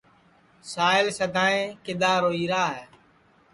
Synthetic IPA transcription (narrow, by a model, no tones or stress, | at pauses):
saːɪlsəd̪aːẽːkɪd̪aːɾoːiːɾaːɦɛː